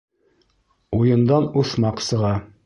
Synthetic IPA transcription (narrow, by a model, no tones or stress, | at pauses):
ujɤ̆nd̪ɑnuθmɑqsɤ̆ʁɑ